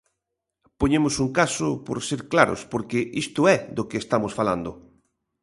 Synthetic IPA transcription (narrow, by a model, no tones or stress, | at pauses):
poɲẽmʊsuŋkasʊpo̰ɾseɾklaɾo̰spoɾkeʔist̪ʊɛðokeːst̪amosfala̰nd̪ʊ